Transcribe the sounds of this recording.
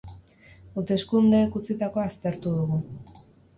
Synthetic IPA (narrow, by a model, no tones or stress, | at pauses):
ut̪e̞skund̪e̞kut͡sit̪ako̞ast̪e̞ɾt̪uðuɣu